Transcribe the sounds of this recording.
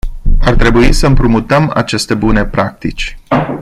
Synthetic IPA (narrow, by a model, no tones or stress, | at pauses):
art̪ɾe̞buisəɨmpɾumut̪əma̰t͡ʃe̞st̪e̞bune̞pɾak̚t̪it͡ʃʲ